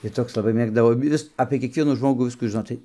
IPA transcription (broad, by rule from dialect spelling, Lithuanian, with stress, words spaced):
tɐɪ ˈtoːks lˠɐˈbɐɪ ˈmʲeːɡdɐʋoː ˈjɪs ɐpʲeː kʲiɛkˈʋʲiɛnuː ˈʒmoːɡuː ˈʋʲɪskuː ʒʲɪˈnoːt ˈtɐɪ